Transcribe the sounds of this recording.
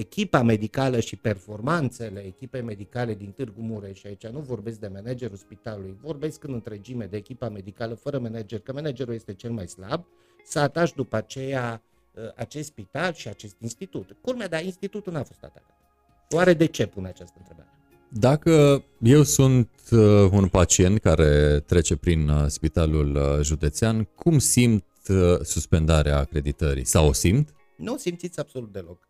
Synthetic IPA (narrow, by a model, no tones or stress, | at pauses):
ekʲipame̞d̪ikaləʃipe̞rfo̞rmant̪se̞le̞ːkʲipe̞jme̞d̪ikale̞d̪int̪ɨrɡumuɾeʃiait͡ʃanuvo̞rbe̞sk̚d̪e̞mened͡ʒe̞ɾulspit̪alulujvo̞rbe̞skɨnɨnt̪ɾe̞d͡ʒime̞d̪e̞ːkʲipame̞d̪ikaləfəɾəmened͡ʒerʲkəmened͡ʒe̞ɾulje̞st̪e̞t͡ʃe̞lmajsla̰b̚ | səat̪aʃd̪upəat͡ʃe̞ja | əʔat͡ʃest̪spit̪alʃiat͡ʃe̞st̪inst̪it̪ut̪kulmead̪ainst̪it̪ut̪unafo̞st̪a̰t̪a̰t̪at̪ | waɾe̞d̪e̞t͡ʃe̞punat͡ʃast̪əɨnt̪ɾe̞ba̰ɾe | d̪akəje̞wsunt̪unpat͡ʃie̞nt̪kaɾe̞t̪ɾe̞t͡ʃe̞pɾinspit̪alulʒud̪e̞t̪seankʰumsimt̪suspe̞nd̪aɾeaːkɾe̞d̪it̪əɾḭsawosimt̪ | nuosimt̪sit̪sʲab̥so̞lut̪̚d̪e̞lo̞k